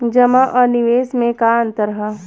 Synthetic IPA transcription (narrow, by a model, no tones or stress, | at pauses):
d͡ʒɐmaʔɔːɾnɪʋeːsmẽkaə̃nt̪əɾəɦə